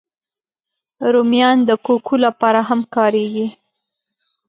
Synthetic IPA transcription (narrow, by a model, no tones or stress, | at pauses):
ɾomjɑnd̪əkokʰulapɑɾaɦamkɑɾeɡi